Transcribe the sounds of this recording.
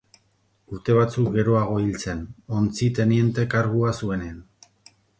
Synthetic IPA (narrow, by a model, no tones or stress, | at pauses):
uɾt̪e̞β̞at͡suk̚ɡe̞ɾo̞aɣ̞o̞ilt͡se̞no̞nt͡sit̪e̞nie̞nt̪e̞kaɾɣuasue̞nean